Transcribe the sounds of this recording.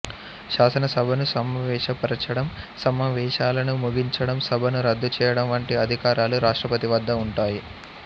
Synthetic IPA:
ʃaːsɐnɐsɐbʱɐnusɐmːɐʋɛːʃɐpɐɾɐt͡ʃɐɽɐmsɐmɐʋɛːʃaːlɐnumuɡiɲt͡ʃɐɽɐmsɐbʱɐnuɾɐd̪ʱːut͡ʃɛːjɐɽɐmʋɐɳʈiɐd̪ʱikaːɾaːluɾaːʂʈɾɐpɐt̪iʋɐd̪ʱːɐuɳʈaːji

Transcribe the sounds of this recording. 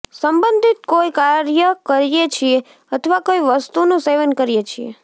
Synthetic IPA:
səmbənd̪ʱit̪̚koikaɾjəkəɾjet͡ʃʰie | ət̪ʰəʋakoiʋəst̪unoseʋənkəɾijet͡ʃʰiḛ

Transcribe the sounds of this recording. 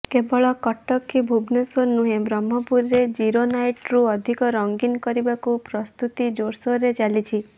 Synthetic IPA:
kebɔɭɔkɔʈɔkːibʱubnesonuɦebɾɔmːɔpuɾːed͡ʒiɾonajʈɾuɔd̪ʱikɔɾɔŋɡinkɔɾibakupɾɔst̪ut̪id͡ʒoɾsɔɾet͡ʃalit͡ʃʰi

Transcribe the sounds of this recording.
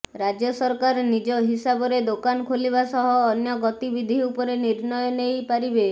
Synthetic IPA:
ɾad͡ʒjɔsɔɾkaɾnid͡ʒɔɦisabɔɾed̪okanɔkʰolibasɔɦɔːnjɔɡɔt̪ibid̪ʱiupɔɾeniɾnɔjɔnejpaɾibe

